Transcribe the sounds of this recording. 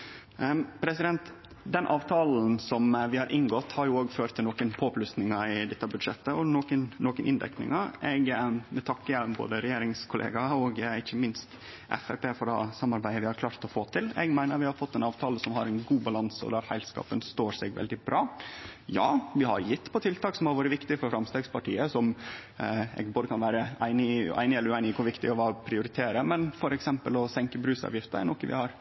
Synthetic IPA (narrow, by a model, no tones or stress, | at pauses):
pʰɾɛsɪd̪ɛnt̪ | d̪ɛnʔɑːʋt̪ʰɑːln̩sɔmʋɪhɑɾʔɪŋɡɔt̪ːhɑɾjʊoːɡføːɾt̪ʰːɪlɔːkənpʰoːplʉsnɪŋɑɪd̪ɛt̪ːəbʉd̪ʂɛt̪ːəɔnoːkənnoːkənʔɪnd̪ɛ̰knɪ̰ŋɑʔɛɡəd̪ɛt̪ʰɑkːəjɛlmbo̰ːd̪əɾɛjeːɾɪŋskʰʊlʔḛːɡɑɔɡɪçːəmɪnst̪ | ʔɛ̰fæpeːfɔɾɖɑ̰ːsɑmːɑɾbæɪəʋɪhɑɾkʰlɑːɾt̪ɔfoːt̪ʰɪlɛ̰ɡmæɪnəɾʋɪhɑɾfɔt̪ːɛɪnɑːʋt̪ʰɑːləsɔmhɑɾɛɪnɡuːbɑlɑnsəɔ̰d̪æɾhæɪlskɑ̰ːpənst̪oːsɛɡʋɛ̰ld̪ɪbɾɑːjɑːʋɪhɑ̰ɾjɪt̪ːpʰɔt̪ʰɪlt̪ʰɑːksɔmhɑɾʋoːɾəʋɪkt̪ɪfɔɾfɾɑmst̪eːɡspɑʈḭːəsɔm | ɛ̰ɡboːd̪əkʰɑnʋæːɾəæɪnɪæ̰ɪnɪɛlːɾʉæɪnɪkʰʊɾʋɪkt̪ɪɔʋɑːpʰɾɪʊɾɪt̪ʰeːɾəmɛnfɔɾɛksɛmpəlɔsɛŋkəbɾʉːsɑ̰ːʋjɪft̪əɾæ̰nɔkːəʋɪ̰hɑɾ